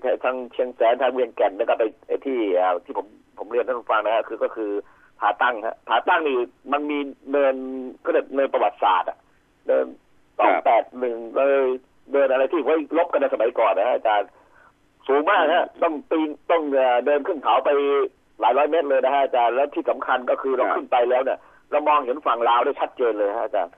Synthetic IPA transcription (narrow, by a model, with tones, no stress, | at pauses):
a˧˩t̪ʰaː˧ŋt͡ɕʰi˧əŋsɛː˨˦˥nt̪ʰaː˧ŋwi˧əŋkɛ˨˩nːaː˦˥kɔː˥˩pa˧jʔa˧˨˩jt̪ʰiː˥˩ʔaː˨˩t̪ʰiː˥˩o˩˦m | pʰo˩˦mli˧nʰa˥˩u˧˥˩fa˧ŋna˧˩kʰa˦˥kʰɯː˧kɔː˥˩kʰɯː˧ | p̪ʰaː˨˩˦t̪a˥˩ŋha̰˦˥ʔp̪ʰaː˨˩t̪a˥˩ŋniː˧˩ma˧nmiː˧nɤː˧nkʰɔ˥˩dɯ˧˩nɤː˧npɾa˧wa˨˩t̪̚sa̰ː˨˩t̪̚a̰˨˩ | nɤː˧n | sɔː˨˩ŋpɛː˨˩t̪̚nɯ˨˩ŋ˧lɤː˧j | dɤː˧nʔa˧ɾa˧jt̪ʰiː˥˩wu˦˥˩lo˦˥p̚ka˧nːa˧sa˧ma˩˦jkɔː˨˩nːa˧˩kʰa˥ʔːt͡ɕaː˧n | suː˨˦ŋmaː˥˩k̚ha˦˥ʔt̪ɔ˥˩ŋt̪iː˧ŋt̪ɔ˥˩ŋʔəː˨˩dɤː˧nkʰɯ˥˩nt̪ʰa˨˩˦wpa˧j | laː˨˦jɾɔː˦˥jme˦˥t̪̚lɤː˧jna˦˥kʰa˦˥ʔa˧˩t͡ɕaː˧nlɛː˦˥wt̪ʰiː˥˩sa˩˦mkʰa˧nkɔ˥˩kʰɯː˧ɾa˧wkʰɯ˥˩npa˧jlɛː˦˥wni˥˩ɐ | ɾa˧˩wmɔː˧ŋɦe˩˦nfa˨˩ŋlaː˧wda˥˩jt͡ɕʰa˦˥t̪̚t͡ɕeː˧nlɤː˧jkʰa˦˥ʔa˨˩t͡ɕa̰ː˧n